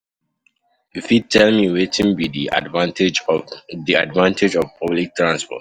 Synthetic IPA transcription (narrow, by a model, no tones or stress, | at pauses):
ifitʰɛlmiwetʰɪ̃ŋbidia̰dvãntɪd͡ʒðiadvãntʰɪd͡ʒɔv̥pʰʌblik̚tʰɹãnspɔ̰t